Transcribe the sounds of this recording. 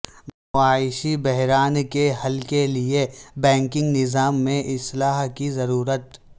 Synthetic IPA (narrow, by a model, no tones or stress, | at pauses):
mʊaːɪʃibɛɦɾaːnkeɦɐlkeliebɛ̃ːŋkɪ̃ŋɡnɪzaːmːẽʔɪslaːɦkizɐɾuːɾət̪